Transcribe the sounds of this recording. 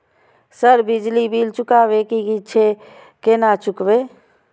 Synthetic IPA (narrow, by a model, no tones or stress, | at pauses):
səɾbɪd͡ʒlibʱiːlt͡ʃʊkaːwekikit͡ʃʰe | kenat͡ʃʊkweː